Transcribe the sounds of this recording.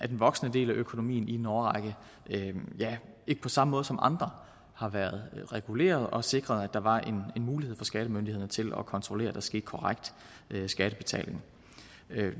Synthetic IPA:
ʔæd̥enʋɒ̽ɡ̥sənəd̥e̝̰ːlæʔøkʰo̝no̝mḭːnidenɒːʁɑɡ̥ə | jæ | e̝ɡ̥ə̥pʰɒ̽sɑ̈məmɔ̽ːð̞ˠsɒ̽mʔɑ̈nd̥ʁɐ | hɑ̈ʋæɐð̞ˠʁɛɡ̥ule̝̰ːɐð̞ˠɒ̽se̝ɡ̥ʁɐð̞̩ˠæd̥ɑ̈ʋɑ̈ʔe̝nenmuːlihe̝̰fɒ̽sɡ̥æɾ̥əmønd̥ihe̝ð̞̰ˠnət͡sʰe̝lɒ̽kʰɒ̽nt͡sʰʁole̝̰ːɐd̥ɑ̈sɡ̥e̝̰ːd̥ˠkʰɒ̽ʁaɡ̥̚d̥ | sɡ̥æɾ̥əb̥e̝t͡sʰɛ̰ːle̝ŋ

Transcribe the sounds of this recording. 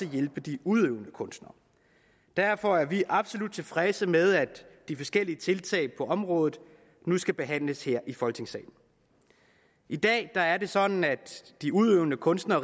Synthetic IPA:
əjelb̥əd̥iuðˠøʊnəkʰɔ̽nsd̥nɐ | d̥æɐfɒæɐʋiʔɑ̈b̥so̝lud̥̚t͡sʰe̝lfʁɛsəmeð̞ˠæd̥d̥ifɒ̽sɡ̥el̰iət͡sʰe̝lt͡sʰɛ̰ːɪpʰɒ̽ɒ̽mʁɔ̽ːðˠð̩ˠ | nusɡ̥æb̥e̝ɦæn̰ləsheɐ̰ʔifɒ̽lt͡sʰe̝ŋsɛ̰ːɪn̩ | ʔid̥ɛ̰ːd̥ɑ̈æɐde̝sɒ̽d̥n̩æd̥d̥iuðˠøʊnəkʰɔ̽nsd̥nɐ

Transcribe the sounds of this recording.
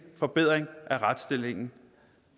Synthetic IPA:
fɒ̽b̥e̝ð̰ˠʁeŋʔæʁad̥sd̥e̝l̰e̝ŋn̩

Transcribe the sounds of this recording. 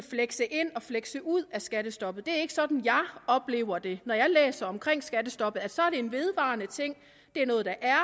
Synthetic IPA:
fleɡ̥səʔe̝n̰ɒ̽fleɡ̥səʔuð̰ˠæsɡ̥æɾ̥əsd̥ɒ̽b̥ð̩ˠd̥e̝æɐe̝ɡ̥ə̥sɒ̽d̥n̩jɑ̈ɪɒ̽b̥le̝̰ːʊɐd̥e̝nɒjɑ̈ɪlḛːsɐɒ̽mkʰʁeŋ̰sɡ̥æd̥əsd̥ɒ̽b̥ð̩ˠælsɒ̽æɐd̥e̝enʋe̝ðˠʋɑ̈ːnət͡sʰe̝ŋ̰ | d̥e̝ænɔ̽ːð̞̩ˠd̥ɑ̈ʔæɐ

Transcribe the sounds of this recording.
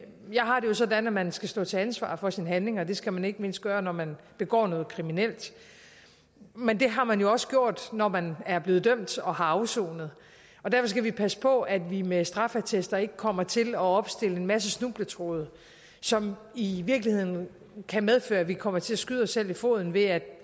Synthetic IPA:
jɑ̈ɪɦɑ̈ɾejo̝sɒ̽dænæmænsɡ̥æsd̥ɔ̰̽ːt͡sʰe̝ænsʋɑ̰̈ːfɒ̽sinəɦænle̝ŋɒd̥e̝sɡ̥æmæne̝ɡ̥əme̝n̰sd̥̚ɡ̥ɶːɐnɒmæn | b̥e̝ɡ̥ɒ̰ːnɔ̽ːð̩ˠkʰʁiminel̰d̥ | mend̥e̝ɦɑ̈mænjo̝ɒ̽sə̥ɡ̥jo̝ɐ̰d̥nɒmænæɐb̥le̝ːð̩ˠd̥øm̰d̥ɒ̽hɑ̈ɑ̈ʊso̰ːnəð̞̩ˠ | ɒ̽d̥æɐfɒ̽s̬ɡ̥æʋipʰæsə̥pʰɒ̽æd̥ʋimesd̥ʁɑ̈fæt͡sʰesd̥ɐe̝ɡ̥əkʰɒ̽m̰ɐt͡sʰe̝lɒ̽ɒ̽b̥sd̥e̝ləe̝nmæs̬əsnub̥lət͡sʰʁoːð̞̩ˠ | sɒ̽miʋiɐɡ̥lihe̝ð̰ˠn̩ | kʰæmeð̞ˠfø̰ːɐæʋikʰɒ̽m̰ɐt͡sʰe̝læsɡ̥yð̞ˠɒ̽sːel̰ifo̝̰ðˠn̩ʋe̝æd̥

